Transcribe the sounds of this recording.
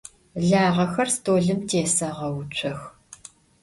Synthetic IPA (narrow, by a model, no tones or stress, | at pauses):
ɮaːʁɐxɐrstʰoːɮɨmtʰeːsɐʁɐwʊt͡ʃʷʰɐx